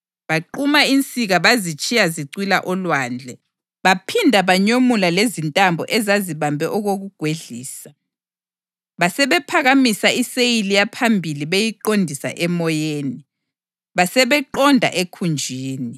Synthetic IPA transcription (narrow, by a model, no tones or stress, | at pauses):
βaǃumaint͡sʼiɣaβazit͡ʃʼijaziǀwilaʔɔlwaːnd͡ɮʱɛ | βapʰindʱaβaɲomulalezintʼambʱɔ̰ʔɛzaziβambʱɛʔɔɣoɣuɡ̥ʱweɮiːsa | βasɛβɛpʰaɣamisaisejilijapʰambʱiliβejiǃondʱisa̰ʔɛmɔjeːni | βasɛβɛǃɔndʱa̰ʔekʰund͡ʒʱiːni